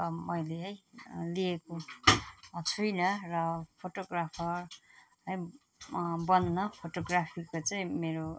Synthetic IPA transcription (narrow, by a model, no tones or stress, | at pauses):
mʌjleɦʌjlieko | ʌt͡sʰujnʌrʌpʰoʈoɡrapʰʌrɦʌj | bʌnːʌpʰoʈoɡrapʰikot͡saĩmeɾo